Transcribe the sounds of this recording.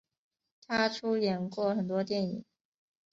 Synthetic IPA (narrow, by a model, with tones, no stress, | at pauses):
t̪ʰa˥ʈ͡ʂʰu˥jɛ˨˧˩nkwɔ˥˩xə˨˩nt̪wɔ˥t̪jɛ˥˩nḭ˨˩˦ŋ